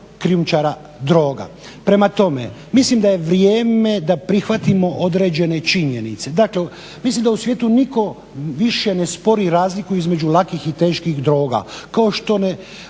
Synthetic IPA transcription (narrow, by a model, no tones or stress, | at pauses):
kɾijumt͡ʃaɾa | d̪ɾo̞ːɡa̰ | pɾe̞mat̪o̞me̞̰mislimd̪aje̞ʋɾjeːme̞d̪apɾixʋat̪imo̞ʔod̪ɾe̞ːd͡ʒe̞ne̞t͡ʃiɲe̞nit̪se̞d̪akle | mislimd̪ausʋje̞ːt̪uniko̞ | ʋiʃje̞ne̞spo̞ɾiɾaːzlikuizme̞d͡ʒulakixit̪e̞ːʃkixd̪ɾo̞ːɡa̰kao̞ʃt̪o̞ne